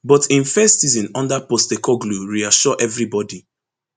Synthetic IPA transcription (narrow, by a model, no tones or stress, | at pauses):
bɔtĩnfɛstsizɔ̃nɔ̃ndapɔstekɔɡluɹiaʃɔʔɛvɹibɔdi